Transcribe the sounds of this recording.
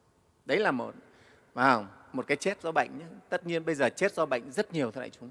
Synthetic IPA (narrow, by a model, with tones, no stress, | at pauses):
ɗə˨˦jlaː˨˩mo˨˩t̚ | vaː˨˩wmo˨˩t̚kaː˨˦jt͡ɕɛ˦˥t̚zɔ˧ɓə̰˧˨jŋ̟ɲa˨˦t̪ə˦˥t̚ɲi˧ənɓə˧jzəː˨˩t͡ɕe˦˥t̚zɔ˧ɓə̰˧˨jŋ̟zə˦˥t̚ɲi˨˩əwt̪ʰə˧˩lʔa̰ː˧˩t͡ɕʊ˨˦ŋ͡m